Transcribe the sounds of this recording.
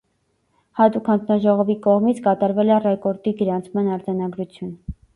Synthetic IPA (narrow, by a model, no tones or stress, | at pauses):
hɑt̪ukʰhɑnd͡zʰnɑʒɔʁɔvikɔʁmit͡sʰkɑt̪ɑɾvɛlɛrɛkɔɾt̪iɡəɾɑnt͡sʰmɑnɑɾd͡zɑnɑɡɾut͡sʰjun